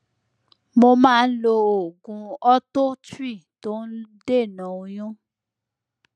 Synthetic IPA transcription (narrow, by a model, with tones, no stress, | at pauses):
mo˧mãː˦˧n̩˦lo˧o˨ɡũ˧ɔ˦to˦ti˦˨to˦n̩˦de˦˨nã˨˦o˧j̃ũ˦